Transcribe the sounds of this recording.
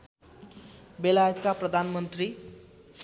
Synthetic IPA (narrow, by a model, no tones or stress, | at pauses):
belajet̪kaprʌd̪ʱanmʌnt̪ri